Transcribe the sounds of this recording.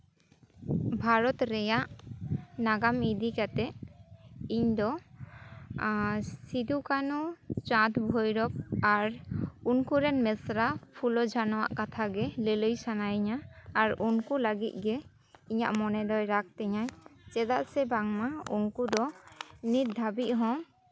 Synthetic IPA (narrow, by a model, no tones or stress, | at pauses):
bʱaɾɔt̪ɾɛjaʔ | naɡamid̪ikat̪ɛʔ | iɲd̪ɔ | sid̪ukanut͡ʃãt̪bʱojɾɔp̚aɾunkuɾɛnmɛsɾapʰulɔd͡ʒʱanɔwa̰ʔkat̪ʰaɡɛlələjsanajɲaːɾunkuləɡit̪̚ˀɡɛ | iɲa̰ʔmɔnɛd̪ɔjɾak̚t̪ɛɲajt͡ʃɛd̪aʔsɛbaŋmaṵnkud̪ɔnit̪̚d̪ʱabiʔ̪̚ɦɔ̃